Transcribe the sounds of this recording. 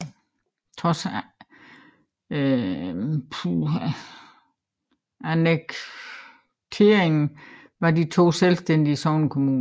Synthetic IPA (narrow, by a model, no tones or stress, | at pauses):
t͡sʰʁɒs | pʰu | æneɡ̥ | t͡sʰe̝ːɐ̰eŋn̩ | ʋɑ̈dit͡sʰo̝̰ːselsd̥en̰d̥iəsɒʊnəkʰo̝muːn